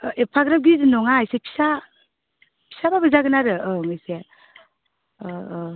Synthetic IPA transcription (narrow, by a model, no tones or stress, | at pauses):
ʔepʰaɡɾap̚ɡiznɔŋajsekʰi̥sa | pʰi̥sababɯzaɡɯnaɾɯɯŋɯjse